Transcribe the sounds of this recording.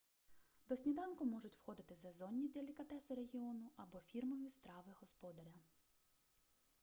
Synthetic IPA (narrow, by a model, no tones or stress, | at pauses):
d̪ɔsʲnʲid̪ɑnkʊmɔʒʊtʲwxɔd̪ɪt̪ɪzɐzɔnʲːid̪elʲikɐt̪ɛsɪɾeɦʲiɔnʊʔɐbɔfʲirmɔʋʲist̪ɾɑʋɪɦɔspɔd̪ɐɾʲɐ